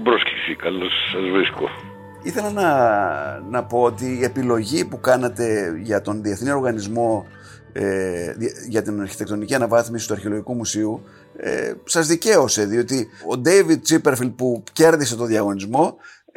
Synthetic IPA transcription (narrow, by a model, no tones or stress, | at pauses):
bɾoski̥sikɐlosːɐzvɾisko | iθe̞lɐnɐ | nɐpo̞ot̪iːe̞pilo̞ʝipukɐnet̪e̞ʝɐt̪o̞nðie̞θnio̞ɾɣɐnizmo̞ | e | ʝɐt̪inɐɾçit̪ekt̪o̞niciɐnɐvɐθmisi̥t̪uɐɾçe̞lo̞ʝikumusiu | ḛsɐzðice̞o̞se̞ðio̞t̪iod̪ejvid̪̚t͡sipe̞ɾfild̪̚puce̞ɾðise̞t̪o̞ðjɐɣo̞nizmo̞